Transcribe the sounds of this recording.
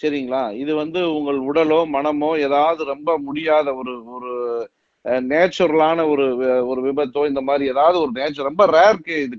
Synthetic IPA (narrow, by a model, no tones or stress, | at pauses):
sɐɾɪŋɡɐɭaːɪðɯʋɐnd̪ɯʊŋɡɐɭʊɽɐloːmɐnɐmõːeːðaːʋɐðɯɾɔmbɐmʊɽɪjaːðɐɔɾɯɔɾɯ | neːt͡ʃːɐɾɐlaːnɐɔɾɯɔɾɯʋɪbɐt̪ːõːɪnd̪ɐmaːd̪ɾieːðaːʋɐðɯɔɾɯneːt͡ʃːɔɾɔmbɐɾeːɾkɯɪðɯ